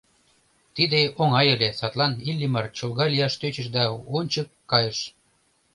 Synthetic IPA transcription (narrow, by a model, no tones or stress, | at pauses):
t̪id̪eoŋɑjelʲesɑt̪lɑnilʲːimɑrt͡ɕolɣɑlʲijɑʃt̪øt͡ɕə̆ʃ̬d̪ɑonʲt͡ɕəkːɑjəʃ